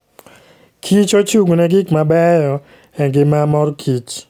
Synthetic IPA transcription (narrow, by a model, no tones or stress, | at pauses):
kʰit͡ʃot͡ʃuɡnɛɡɪkmabɛjɔ | ɛŋɡɪmamɔɾkʰit͡ʃ